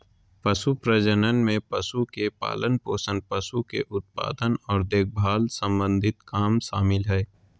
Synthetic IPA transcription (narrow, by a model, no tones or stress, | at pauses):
pɐsupɾəd͡ʒənənmẽpɐsukepa̰ːlənpoːsənpɐsukḛʔʊt̪̚pa̰ːd̪ənɔːɾd̪eːk̚ʰbʱaːlsə̃mbə̃nd̪ʱɪt̪kaːmʃaːmɪlɦɛː